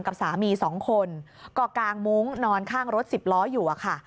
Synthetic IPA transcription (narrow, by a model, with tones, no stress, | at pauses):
ŋka˨˩p̚saː˩˦miː˧sɔː˩˦ŋkʰo˧n | kɔː˥˩kaː˧ŋmu˦˥ŋnɔː˧nkʰaː˥˩ŋɾo˦˥t̪̚si˨˩p̚lɔː˦˥juː˨˩ʔa˨˩kʰa˥˩